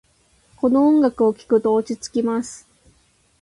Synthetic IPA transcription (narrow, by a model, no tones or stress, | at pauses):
ko̞nõ̞ːŋɡakɯ̟okʲi̥kɯ̟t̪o̞ːt͡ɕit͡sɨ̥kʲimasɨ̥